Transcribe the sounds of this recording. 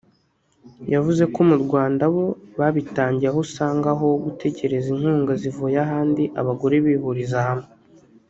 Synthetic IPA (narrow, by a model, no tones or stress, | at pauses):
javuze̞kumuɾɡwaːndaβo̞βaβitaːɲɟiɾaɦusaːŋɡaɦo̞ɡutʰe̞ce̞ɾe̞zinhuːŋɡazivojaɦaːndiʔaβaɡoɾeβiβuɾizahame